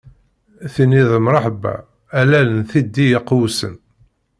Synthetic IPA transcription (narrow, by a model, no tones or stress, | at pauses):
θiniðəmɾˤɑħbæ̰ | ælælənθid̪ːijəqːwsə̰n